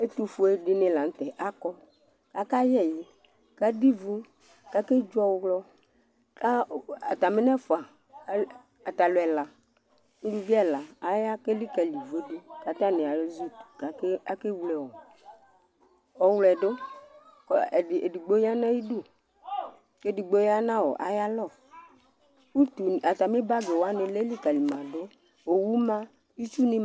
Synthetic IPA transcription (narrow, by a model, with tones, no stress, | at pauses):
e˦t̪u˦fo˨e˨ɖɪ˨˦nẽ˨la˨n̩˦t̪ɛ˨ʔa˦kɔ˦ | ka˦ka˦jɛ˦˨ji˦ | ka˦di˦vo˦ | ka˦ke˦d͡ʒɔ˦wɣlɔ˦ | ka˦a˨t̪a˨me˦n˦ɛ˦fo˨a˨˦ | a˨t̪a˨lo˨ɛ˨la˨ | n̩˦du˦vi˦a˦˨la˨a˨ja˦ke˦li˦ka˨li˨ve˦do˦ka˨t̪a˦nẽ˨a˨˦zu˦˨ka˨ka˦ke˦wlɛ˨wɔ˨ | ɔ˨wlɛ˨ɖo˦ | ke˨di˨ɡ͡bo˦ja˦nã˦ji˦du˦˨ | ke˦di˨ɡ͡bo˦ja˦nã˦wɔ̰˨ʔa̰˨ja˦lɔ˦˨ | u˦t̪u˨a˨t̪a˨me˦ba˦ɡe˨wo˦a˦ne˨le˦li˦ka˨li˨mã˨do˦ | o˨wu˦mã˦ | i˦t͡ʃu˦nĩ˦